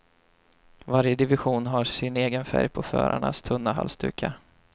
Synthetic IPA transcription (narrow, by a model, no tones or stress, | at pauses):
vaɾjəd̪ɪvɪɧuːnɦasɪneːɡənfæɾjpʰɔfœ̰ːɾaɳast̪ʰɵnːaɦa̰lst̪ʉ̟ːkʰa